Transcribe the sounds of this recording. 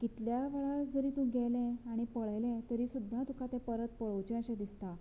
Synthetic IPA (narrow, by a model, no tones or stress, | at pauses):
kit̪ljaʋəɭaɭd͡zəɾiːt̪ũɡʱɛlɛ̃aɽ̃ipəɭjlɛ̃t̪əɾiːsud̪ʱːat̪ũkat̪ẽpəɾət̪pəɭəwt͡ɕẽə̃ɕẽd̪ist̪a